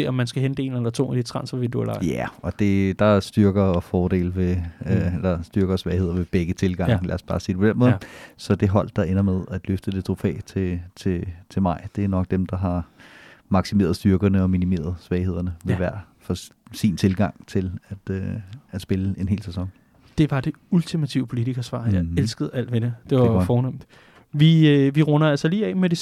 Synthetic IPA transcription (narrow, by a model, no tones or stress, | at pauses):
eɒmːænsɡ̥æɦend̥e̝̰ːnelɐt͡sʰo̝̰ːæd̥it͡sʰʁɑ̈nsʋidulɑjæɒ̽d̥e̝d̥ɑ̈sd̥ɶɐɡ̥ɐfɒːɾ̥e̝̰ːlʋe̝elɐsd̥yɐɡ̥ɐsʋɛːɪhe̝ð̰ˠɐʋe̝b̥eɡ̥ət͡sʰe̝lɡ̥ɑ̈ŋ̰lʔæɐsb̥ɑ̈ːsḭːd̥epʰenmɔ̽ːðˠsɒ̽d̥e̝ɦɒ̽l̰d̥ːɑ̈ʔe̝nɐmeðˠæd̥løfd̥əd̥e̝t͡sʰʁo̝fɛ̰ːɪt͡sʰe̝t͡sʰe̝t͡sʰe̝lmɑ̈ɪ̰d̥e̝æɐnɒ̽ɡ̥̚d̥emd̥ɑ̈ɦɑ̈ | mɑ̈ɡ̥sime̝̰ːɐðˠsd̥yɐɡ̥ɐnəɒ̽minime̝̰ːɐðˠsʋɛːɪhe̝ð̞̰ˠɐnəʋe̝ʋæɐ̰ | fɒsḭnt͡sʰe̝lɡ̥ɑ̈ŋ̰t͡sʰe̝læd̥øæd̥sb̥e̝ləe̝nɦe̝̰ːlsæsɒ̽ŋ | d̥e̝ʋɑ̈d̥e̝ | ult͡sʰimæt͡sʰiʊəpʰo̝lidiɡ̥ɐsʋɑ̰̈ːjɑelsɡ̥əð̞̩ˠæl̰d̥ʋenəd̥eʋɑfɒːnɔm̰nd̥ | ʋiʋiʁɔnɐælsɐliːɛ̰ːmed̥e̝